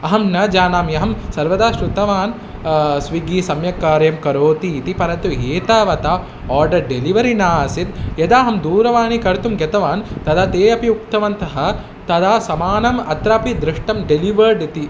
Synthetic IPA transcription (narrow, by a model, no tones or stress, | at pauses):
ɐɦɐmnɐd͡ʒaːnaːmjɐɦɐmsɐɾʋɐd̪aːʃɾut̪ɐʋaːn | sʋiɡiːsɐmjɐkaːɾɐjɐmkɐɾoːt̪iːt̪ipɐɾɐnt̪ueːt̪aːʋɐt̪aː | ɔːɾɖɐɾɖeliʋɐɾinaːsit̪jɐd̪aːɦɐmd̪uːɾɐʋaːnikɐɾt̪umɡɐt̪ɐʋaːnt̪ɐd̪aːt̪eːɐpiuk̚t̪ɐʋɐnt̪ɐɦɐ̆ | t̪ɐd̪aːsɐmaːnɐmɐt̪ɾaːpid̪ɾɪʂʈɐmɖeliʋɐɾɖt̪i